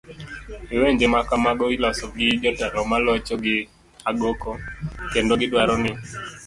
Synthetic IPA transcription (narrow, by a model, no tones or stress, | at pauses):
iweɲd͡ʒemakamaɡɔilɔsɔɡɪd͡ʒɔtalɔmalɔt͡ʃɔɡɪ | aɡokɔkendoɡɪdwaɾɔnɪ